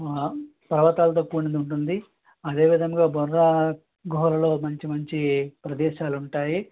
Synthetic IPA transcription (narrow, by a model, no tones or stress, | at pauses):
pɐɾɐʋɐt̪aːlɐt̪ɐkːuːnind̪uɳʈ̬und̪i | ɐd̪e̞ːʋid̪ʱɐŋɡaːbɐɾːɐ | ɡoɦɾɐlo̞ːmɐɲt͡ʃimɐɲt͡ʃipɾɐd̪ɛːʃaːluɳʈaːji